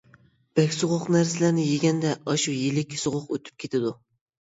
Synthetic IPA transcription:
b̥ɛkʲsʊʁʊqnæɾsɪlæɾnɪjeɡʲɛnd̪ɛʔɑʃujilɪkʲʰsoʁʊqø̰t̪ʰy̥p̚kʲʰet̪ʰɪd̪u

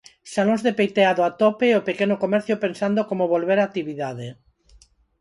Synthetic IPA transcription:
salõŋzðepejt̪eaðoat̪opeopekenokomɛɾθjopensand̪okomoβolβeɾak̚t̪iβiðaðe

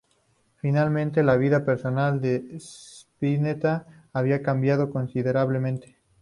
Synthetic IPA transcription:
finalmẽ̞nt̪e̞laβ̞iðape̞ɾso̞nald̪espinet̪aː | β̞iakambjað̞o̞ko̞nsiðe̞ɾaβlemẽ̞nt̪e̥

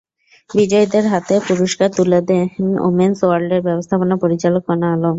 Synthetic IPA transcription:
bid͡ʑɔjd̪eɾɦat̪epuɾoʃkaɾt̪ulad̪eno̰mensowaɾɖeɾbɛbost̪ʰaponapoɾit͡ɕalokɔnaalom

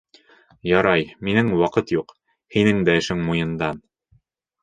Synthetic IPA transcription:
jɑɾɑjminɘŋwɑqɤt̪juq | hinɘŋd̪æɘ̆ʃɘŋmujɤ̆nd̪ɑn

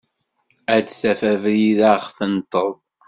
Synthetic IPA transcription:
æd̪θæfævɾiðaʁθənt̪ˤːəðˤ

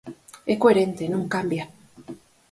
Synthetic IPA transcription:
ekoeɾent̪enuŋkambja

